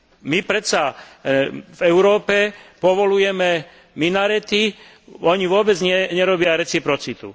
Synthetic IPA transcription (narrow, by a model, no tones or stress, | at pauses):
mipɾɛt͡sa | vɛʊɾɔːpɛpɔʋɔlujɛmɛ | minaɾɛt̪i | ɔɲiʋʊɔbɛd͡zɲɛɲɛɾɔbɪaɾɛt͡sipɾɔt͡sit̪ṵ